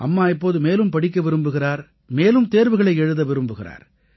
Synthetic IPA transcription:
ʔɐ̰mːaːɪpːoːðɯmeːlɯmpɐɽɪk̬ːɐʋɪɾɯmbɯɣɪraːɾ | meːlɯmt̪eːɾʋɯɣɐɭɐɪɛɻɯðɐʋɪɾɯmbɯɣɪra̰ːɾ

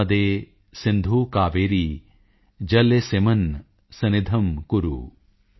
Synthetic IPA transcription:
ɐd̪eː | sind̪ʱuːkaːʋeːɾi | d͡ʒɐlːesemɐn | sɐnid̪ʱɐmkuɾṵ

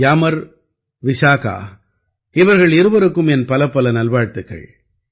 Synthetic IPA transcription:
jamɐɾ | ʋɪʂaːka̰ː | ɪʋɐɾɣɐɭɪɾɯʋɐɾɯkːɯmɛnpɐlɐpːɐlɐnɐlʋaːɻt̪ːɯkːɐ̰ɭ

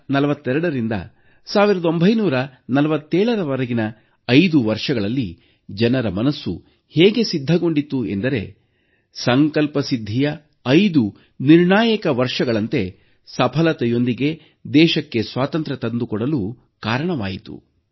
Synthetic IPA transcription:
nɐlɐʋɐt̪ːɛɾɐɽɐɾind̪ɐ̰ | saːʋiɾɐd̪o̞mbʱɐjnuːɾɐnɐlɐʋɐt̪ːɛːɭɐɾɐʋɐɾɐɡinɐ | ɐjd̪uʋɐɾʂɐɡɐɭɐlːi | d͡ʒɐnɐɾɐmɐnɐsːṵ | heːɡe̞sid̪ʱːɐɡo̞ɳɖit̪ːue̞̰nd̪ɐɾe̞̰ | sɐŋkɐlpɐsid̪ʱːijɐ | ɐjd̪u | niɾɳaːjɐkɐʋɐɾʂɐɡɐɭɐnt̪e̞ | sɐpʰɐlɐt̪ɛjo̞nd̪iɡe̞ | d̪ɛːʃɐkːe̞sʋaːt̪ɐnt̪ɾɐt̪ɐnd̪ukɔɽɐluː | kaːɾɐɳɐʋa̰ːjit̪ṵ

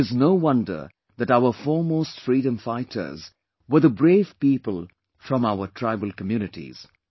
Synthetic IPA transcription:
ɨznoʊwʌ̃ndə̰˞ | ðɨtaʊə˞fɔɹmoːstfɹiːɾə̃mfaɪtʰə̰˞z | wə˞ðəbɹeːv̥piːpəlˠ | fɹʌ̃maʊətʰɹ̥aɪbəl̩ˠkəmjuːnɨʈḭz̥

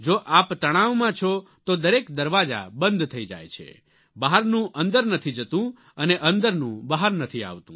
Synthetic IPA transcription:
d͡ʒoʔapt̪əɽ̃aʋmãt͡ʃʰot̪od̪əɾekd̪əɾʋad͡ʒa̰bənd̪ʱt̪ʰəid͡ʒa̰jt͡ʃʰḛ | baɦaɾnũʔə̃nd̪əɾnət̪ʰid͡ʒət̪ũ | əneʔə̃nd̪əɾnũbəɦaɾnət̪ʰia̰ʋt̪ṵ̃

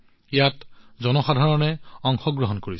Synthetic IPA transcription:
ɛjatzɔnɔxadʱaɹɔnɛɔŋxɔɡɹɔɦɔnkoɹis

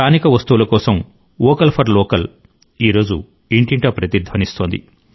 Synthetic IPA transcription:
aːnikɐʋɐst̪uulɐkɔːsɐm | ɔːkɐlpʰɐɾlɔːkɐl | iːɾo̞ːd͡ʒṵ | iɳʈiɳʈɐpɾɐt̪iɾd̪ʱʋɐnist̪oːnd̪ḭ

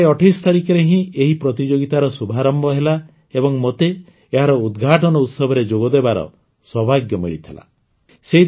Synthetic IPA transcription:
ɔʈʰist̪aɾikɔɾeɦĩeɦipɾɔt̪id͡ʒoɡit̪aɾɔsubʱaɾɔmbɔɦela | ebɔŋmot̪e | eɦaɾɔud̪ɡʱaʈɔnɔut̪sɔbʱɔɾed͡ʒoɡɔd̪ebaɾɔ̰ | swɔbʱaɡjɔmḭɭit̪ʰila̰ | seɦi

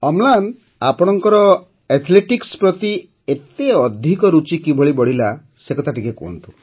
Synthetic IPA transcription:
ɔmlan | apɔɽ̃ɔŋkɔɾɔ | et̪ʰleʈikspɾɔt̪i | et̪eɔd̪ʱikɔɾut͡ʃikibʱɔɭibɔɽila | sekɔt̪aʈikekɔ̰ɔ̰nt̪ʰu̥

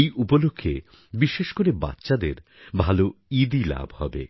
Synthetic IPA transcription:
jʔupolokʰːe | biʃeʃkoɾeba̰tːɕad̪eɾ | bʱaloid̪ila̰bʱhɔbḛ

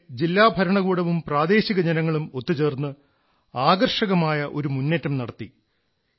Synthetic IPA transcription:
d͡ʑilːaːbʱɐɾɐɳɐɣuːɽɐʋumpraːd̪e̞ːɕiɣɐd͡ʑɐnɐŋːɐɭumo̞t̪ːut͡ɕe̞ːrnːɨ | aːɡɐrʂɐɣɐmaːjɐʔo̞ɾumunːetːɐmnɐɽɐt̪ːi

